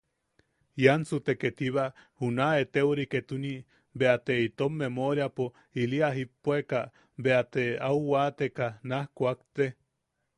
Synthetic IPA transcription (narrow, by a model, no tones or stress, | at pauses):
jansut̪eket̪iβahunaet̪euɾiket̪uni | beat̪eit̪omːemoɾjapo | iliaɦipːoeka | beat̪eauwat̪ekanahkʷakt̪e